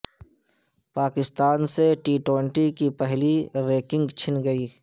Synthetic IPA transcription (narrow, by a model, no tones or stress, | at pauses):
paːkɪst̪aːnseʈiːʈwẽɳʈikipɛɦliɾeːkɪ̃ŋɡt͡ʃʰɪnɡɐiː